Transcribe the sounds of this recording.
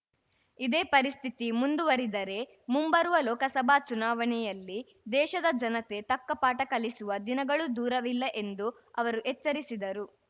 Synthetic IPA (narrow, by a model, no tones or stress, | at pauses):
id̪e̞ːpɐɾist̪ʰit̪imund̪uʋɐɾid̪ɐɾe̞ | mumbɐɾuʋɐlɔːkɐsɐbʱaːt͡ʃunaːʋɐɳɛjɐlːi | d̪ɛːʃɐd̪ɐd͡ʒɐnɐt̪e̞t̪ɐkːɐpaːʈɐkɐlisuʋɐd̪inɐɡɐɭud̪uːɾɐʋilːɐʔe̞nd̪u | ɐʋɐɾuʔet͡ʃːɐɾisid̪ɐɾu